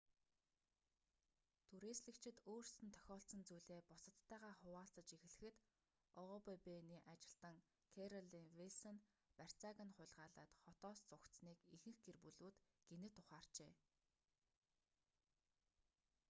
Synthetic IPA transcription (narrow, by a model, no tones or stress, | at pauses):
t̪ʰuɾeːsɮɘ̆kt͡ɕʰɪ̆t̪oːr̥sɘ̆nt̪ʰœ̥xʲɔːɬt͡sə̆nt͡sujɮeːpʊsə̆t̪ʰːæːʁaːχʊwaːɬt͡sə̆t͡ɕixɘ̆ɮɘ̆xɘ̆t̪ | ɔʁɔpepeniːʔat͡ɕɪ̆ɬt̪ə̆ŋ | kʰeɾɔɮiŋwiɮsɔn | pær̥t͡saːɣə̆nχʊ̟ɮʁaːɮa̰ːt̪χɔt̪ɔːst͡sʊkt̪sniːkixɘ̆xɡerpuɮuːt̪ɡ̥enɘ̆t̪ʰːʊχaːr̥t͡ɕeː